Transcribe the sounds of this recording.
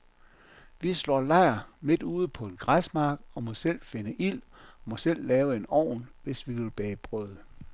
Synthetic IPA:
ʋislɒ̰ːlɑ̈ɪ̰ɐme̝d̥uːð̞ˠpʰɒ̽e̝nɡ̥ʁasmɑ̈ːɡ̥ɒ̽mɒ̽sel̰fe̝nəʔil̰ɒmɒ̽sel̰lɛːʊəe̝nɒ̰ːnʋe̝sʋiʋe̝lb̥ɛːb̥ʁœð̰ˠ

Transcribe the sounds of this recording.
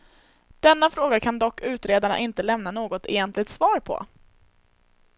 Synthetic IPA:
d̪̥ɛnːafɾoːɡakʰand̪ɔkːʉ̟ːt̪ɾeːd̪aɳa̰ʔɪnt̪əlɛmnanoːɡɔt̪ɛ̰jɛnt̪lɪt̪svɑːɾpʰɔ̰

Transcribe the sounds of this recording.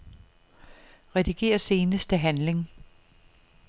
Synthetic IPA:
ʁɛd̥iɡ̥e̝̰ːɐse̝ːnəsd̥əɦænle̝ŋ

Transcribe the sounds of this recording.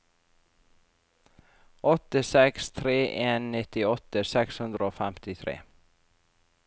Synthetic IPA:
ʔɔt̪əsɛkst̪ʰɾeːʔeːnːnɪt̪ɪɔt̪əsɛkshʉnd̪ɾəoːfæmt̪ɪt̪ʰɾḛː

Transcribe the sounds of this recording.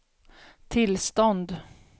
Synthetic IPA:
t̪ʰɪlst̪ɔnd̪

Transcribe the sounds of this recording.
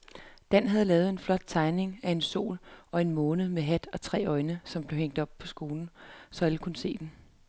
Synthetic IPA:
d̥æn̰ɦæð̞̩ˠlɛːð̞̩ˠe̝nflɒ̽d̥̚t͡sʰɑ̈ɪne̝ŋæe̝nso̝̰ːlɒ̽e̝nmɔːnð̩ˠmeɦæd̥ɒ̽t͡sʰʁɛ̰ːɒ̽ɪnəsɒ̽mb̥le̝ʊeŋ̰d̥ɒ̽b̥pʰɒ̽sɡ̥o̝ːln̩sɒ̽æləkʰunəse̝̰ːd̥en

